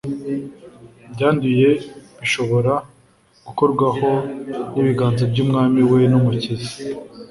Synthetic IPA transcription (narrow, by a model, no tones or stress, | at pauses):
bɟaːnduje̞βiʃo̞βo̞ɾa | ɡ̥uko̞ɾɡwaho̞niβiɡaːnzebɟuːmŋaːmiwe̞numucizi̥